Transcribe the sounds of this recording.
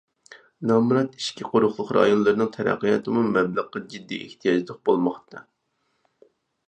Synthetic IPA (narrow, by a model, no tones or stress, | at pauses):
nɑmɾɑt̪i̥ʃkʲiqʰoɾʊχlˠʊχɾɑ̰jonlˠɨɾɨnɨŋt̪ʰɛɾæ̰qːɨjɑ̰t̪ʰɨmumɛbləqːɑd͡ʒid̪ːḭʔḛht̪ʰijɑd͡ʒlˠəq̚bolˠmɑχt̪ɑ